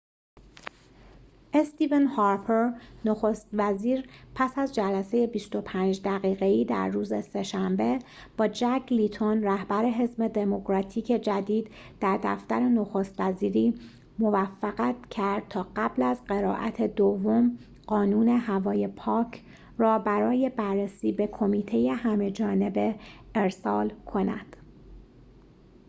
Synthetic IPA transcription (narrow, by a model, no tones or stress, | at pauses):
ʔest̪iːvenhɑːɾpʰeɾnoxo̞st̪væziːɾpʰæsæzd͡ʒælæse̞je̞bist̪o̞pʰæːnd͡ʒd̪æɣiːɣe̞iːd̪æ̰ɾːuːzese̞ʃæmbe̞ | b̥ɒːd͡ʒæɡlit̪ʰonræhbæɾe̞ɦe̞zme̞d̪e̞mo̞kɾɒːt̪ʰiːcʰe̞d͡ʒæd̪iːd̪d̪̥æɾd̪æ̰ft̪æɾe̞no̞xo̞st̪væziːɾiː | mo̞væfːæɣæt̪cʰæɾd̪̚t̪ʰɒːɢæblæzɢe̞ɾɒ̰ːʔæ̰t̪ʰe̞d̪ovːo̞m | ɢ̥ɒːnuːne̞hævɒːje̞pʰɒːcʰ | rɒːbæɾɒːje̞bærːesiːbe̞kʰo̞miːt̪ʰe̞je̞hæme̞d͡ʒɒːne̞be̞eɾsɒːlkʰo̞næ̰d̪̥